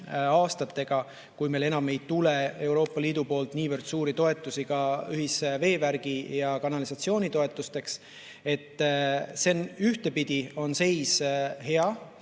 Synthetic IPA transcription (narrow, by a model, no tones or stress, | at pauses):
ɑːst̪ɑt̪ːe̞ɡ̥ɑ | kujme̞jle̞nɑme̞jt̪ule̞e̞wɾo̞ːpːˑɑliːd̪upo̞ːlt̪niːvərd̪̥suːɾit̪o̞e̞t̪ːˑusikɑyɦisve̞ːvæɾɡ̥ijɑkɑnɑlisɑt̪sio̞ːnʲit̪o̞et̪ːˑust̪e̞ks | e̞t̪ːˑse̞nyht̪e̞pid̪̥io̞nse̞jshe̞ɑ